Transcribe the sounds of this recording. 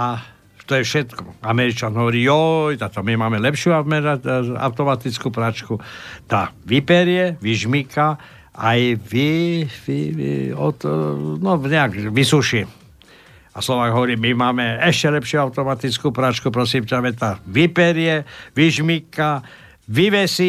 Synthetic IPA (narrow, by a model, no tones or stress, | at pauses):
a | t̪ɔjɛfʃɛt̪kɔ̥amɛɾit͡ʃanɦɔʋɔɾiːjɔjt̪at̪ɔmimaːmɛlɛpʃuamɛɾaca̰wt̪ɔmat̪it͡skuːpɾat͡ʃkut̪aʋipɛɾjɛʋiʒmika | ajʋiʋḭɔ̰t̪nɔɲɛakʋisuʃi | aslɔʋaːɡɦɔʋɔɾiːmimaːmɛɛʃcɛlɛpʃjuawt̪ɔmat̪it͡skuːpɾat͡ʃkupɾɔsimtaʋɛt̪aʋipɛɾɪjɛʋiʒmika | ʋiʋɛsi